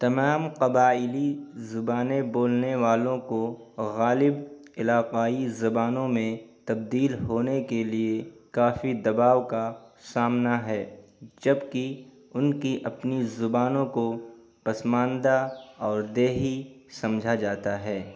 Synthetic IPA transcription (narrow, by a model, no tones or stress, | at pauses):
t̪ɐmaːmqɐbaːɪlizʊbaːnẽboːlneʋaːlõko | ɣaːlɪb | ɪlaːqaːizɐbaːnõmẽt̪ɐb̚d̪iːlɦoːnekeliekaːfid̪ɐbaːʋkasaːmnaɦɛː | d͡ʒɐbki | ʊnkiʔɐpnizʊbaːnõko | pɐsmãːnd̪aɔːɾd̪eːɦi | sɐ̃md͡ʒʱad͡ʒaːt̪aɦɛː